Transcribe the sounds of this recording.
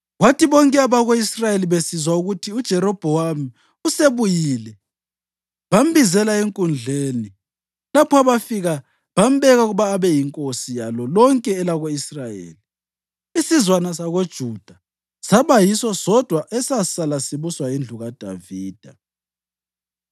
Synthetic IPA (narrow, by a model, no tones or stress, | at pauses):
ɣwatiβɔŋkʼɛaβaɣoisrajeliβesizwauɣutʰiud̥ʒ̥ʱɛɾɔb̥ʱɔwami | useβujiːlɛ | βam̩bizɛlaeŋkʼund͡ɮʱeːni | lapʰɔaβafiɣa | βam̩bɛɣauɣuβaːβɛjiŋkʼosijalɔlɔŋkʼɛːlaɣoisrajḛːli | isizwanasaɣod̥ʒ̥ʱud̥ʱa | saβajisɔsɔd̥ʱwaʔɛsasalasiβuswaind͡ɮʱuɣad̥ʱa̰viːd̥ʱa